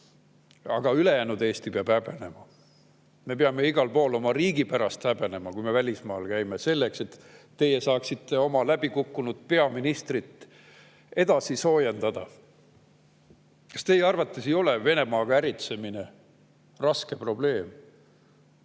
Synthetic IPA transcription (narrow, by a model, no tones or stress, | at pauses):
ɑɡ̥ɑyle̞jæːnud̪e̞ːst̪ipeɑb̥æb̥e̞ne̞mɑ | me̞peɑme̞iɡɑlpo̞ːlo̞mɑɾiːɡipæɾɑst̪æb̥e̞ne̞mɑkujme̞vælʲismɑːlkæjmese̞lːekse̞t̪ː | e̞jesɑːksit̪ːe̞o̞mɑlæb̥ikukːunud̪̥̚pe̞ɑminist̪rit̪ː | e̞d̪ɑsiso̞ːjend̪̥ɑd̪̥ɑ | kɑst̪e̞jeɑrvɑt̪ːˑesejo̞leve̞ne̞mɑːɡ̥ɑæɾit̪se̞mine̞ | rɑske̞pro̞b̥le̞ːm